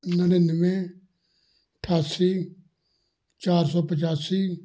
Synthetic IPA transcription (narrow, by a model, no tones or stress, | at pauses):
nəɾẽnʋẽː | əʈʰaːsiː | t͡ʃaːɾsɔːpət͡ʃaːsiː